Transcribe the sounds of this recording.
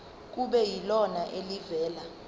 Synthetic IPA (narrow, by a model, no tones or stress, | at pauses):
k̬uɓɛjilɔnaʔelivɛːla